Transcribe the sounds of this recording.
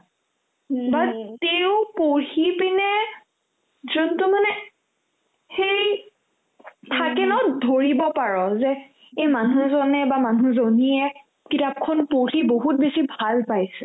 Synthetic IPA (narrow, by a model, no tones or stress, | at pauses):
bateʊpoɹhipinɛ | zɔntumanɛ | xej | tʰakɛnɔtdʱoɹibɔpaɹɔzɛ | ejmanuzɔnɛbamanuzoniɛ | kitap̚kʰɔnpoɹiboɦut̚besibʱalpajsɛ